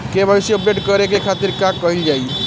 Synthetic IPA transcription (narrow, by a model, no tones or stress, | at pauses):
kebʱəbesiɔp̚ɖeʈkəɾek̬ekʰat̪iɾkãkːɔɦild͡ʒai